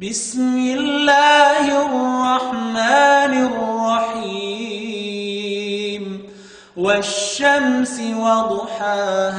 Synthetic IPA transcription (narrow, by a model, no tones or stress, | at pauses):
bɪsmɪllːaːhɪrˤrˤːɑħmaːnɪrˤːɑħi | m | waʃːamsɪwɑd̪ˤħaːh